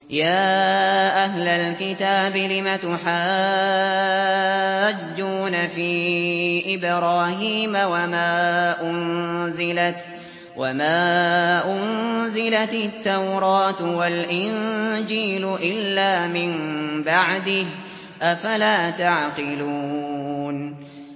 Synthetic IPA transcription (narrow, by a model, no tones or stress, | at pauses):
jaːʔaɦlalkɪt̪aːbɪlɪmat̪ʊħaː | d͡ʒːuːnafiːʔɪbɾaːhiːmawamaːʔʊnzɪlat̪ | wʔamaːʔʊnzɪlat̪ɪt̪ːawɾˤɑːt̪walʔɪnd͡ʒiːlʊʔɪlːaːmɪmbaʕd̪ɪh | ʔafalaːt̪aʕqɪlu | n